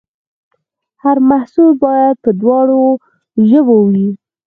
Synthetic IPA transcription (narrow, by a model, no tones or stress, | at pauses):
haɾmahsulbɑjad̪̚pəd̪wɑɽo | ʒəbowwi